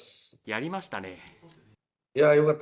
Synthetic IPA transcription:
sjaɾʲimaɕi̥t̪ane | jajokat̪ː

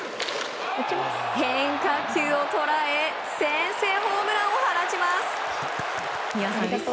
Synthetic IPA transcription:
hẽŋkakʲɨːot̪o̞ɾae | sẽɰ̃seːɦoːmɯ̟ɾaohaɾat͡ɕimasɨ̥ | a

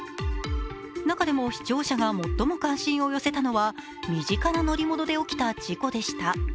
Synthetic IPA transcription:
nakad̪e̞mo̞çi̥t͡ɕo̞ːɕaɡamo̞t̪ːo̞mo̞kãɰ̃ɕĩɰ̃o̞jose̞t̪ano̞βa | mʲiʑikanano̞ɾʲimo̞d̪o̞d̪e̞o̞kʲi̥t̪ad͡ʑiko̞d̪e̞ɕi̥t̪a

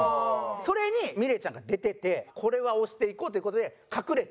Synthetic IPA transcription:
so̞ɾe̞ɲ̟imʲiɾe̞t͡ɕãŋɡad̪e̞t̪e̞t̪e̞kʰo̞ɾe̞βao̞ɕi̥t̪e̞ikoːt̪oiɯ̟kot̪od̪e̞ | kʰakɯ̟ɾe̞t̪

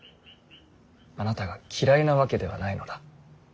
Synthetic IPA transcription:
anat̪aɡakʲʰiɾainaβake̞d̪e̞βa̰naino̞d̪̥a

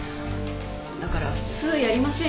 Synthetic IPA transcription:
d̪akaɾa̰ɸɯ̟̥t͡sɨːjaɾʲimasẽ̞

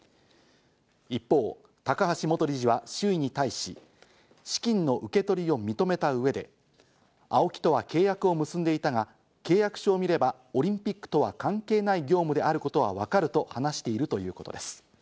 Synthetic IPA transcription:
ipːo̞ː | t̪akaɦaɕimo̞t̪o̞ɾʲiʑiβaɕɨːiɲ̟it̪aiɕi | ɕi̥kʲĩnːo̞ʔɯ̟ke̞t̪o̞ɾʲio̞mʲit̪o̞me̞t̪aɯ̟βe̞d̪e̞ | ao̞kʲi̥t̪o̞β̞ake̞ːjakɯ̟o̞mɯ̟sɨ̃nd̪e̞it̪aŋa | ke̞ːjakɯ̟̥ɕoːmʲiɾe̞ba | o̞ɾʲĩmpʲikːɯ̥t̪o̞βa̰kãŋke̞ːnaiɡʲo̞ːmɯ̟d̪e̞aɾɯ̟ko̞t̪o̞β̞a̰βakaɾɯ̟t̪o̞hanaɕi̥t̪e̞iɾɯ̟t̪o̞jɯ̟̰ːko̞t̪o̞d̪e̞sɨ̥

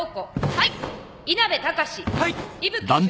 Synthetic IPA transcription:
okoha | inabe̞t̪akaɕihaibɯd̪ãn

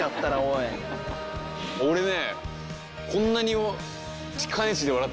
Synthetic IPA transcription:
at̪ːaɾaoj | oɾe̞ne | kʰõ̞nːaɲ̟i | t͡ɕi̥kʰanet͡ɕid̪eaɾat̪ː

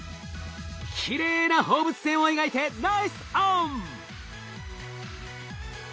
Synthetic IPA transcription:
kʲʰiɾe̞ːnaho̞ːbɯ̟t͡sɨ̥sẽɰ̃o̞iɡait̪e̞naisɨ̥om

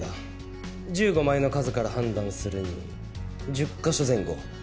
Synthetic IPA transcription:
a | d͡ʑɨːɡo̞maino̞kazɨkaɾaɦãnd̪ãɰ̃sɨɾɯ̟ɲ̟ḭ | d͡ʑɨkːaɕozẽ̞ŋɡo̞̰

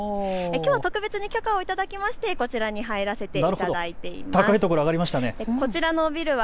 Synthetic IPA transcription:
ekʲoːβat̪o̞kɯ̟be̞t͡sɨɲ̟ikʲo̞kao̞it̪ad̪akʲimaɕi̥t̪e̞ko̞t͡ɕiɾaɲ̟iɦaeɾase̞t̪e̞naɾɯ̟t̪ad̪d̪ait̪e̞ḭmt̪aakait̪o̞koɾo̞aɡaɾʲimaɕi̥t̪aneko̞t͡ɕiɾano̞bʲiɾɯ̟βa

